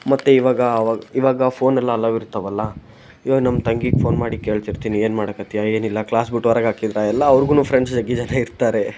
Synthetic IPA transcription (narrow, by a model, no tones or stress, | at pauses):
mɐt̪ːeiʋaːɡɐːʋaːɡɐiʋaːɡɐpʰo̞ːnɛlːɐːlːɐʋiɾut̪ːɐʋɐlːɐ | jonɐmt̪ɐŋɡiɡpʰo̞ːnmaːɽike̞ːɭt̪iɾt̪iːnie̞ːnmaːɽɐkɐt̪ijae̞ːnilːɐklaːsbiʈːuɐɾɐɡaːkid̪ɾaɛlːɐːʋɾɡuːnuːpʰɾeɳɖsd͡ʒɐɡːid͡ʒɐnaiɾt̪aːɾe̞